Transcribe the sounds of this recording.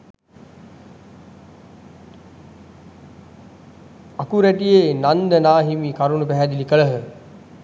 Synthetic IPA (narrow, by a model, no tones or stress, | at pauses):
akuɾæʈijeːnand̪ənaːɦimiːkaɾunupæɦæd̪ilikəɭəɦə